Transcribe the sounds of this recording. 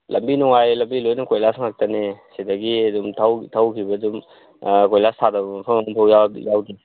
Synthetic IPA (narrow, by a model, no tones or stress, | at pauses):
lʔɐmbinuŋajlɐmbilojnɐkojlasŋak̚tɐnesidɐɡiɐdumtʰawtʰawkʰibɐdum | kojlastʰadɐbɐpʰɐŋmpʰawjajawdi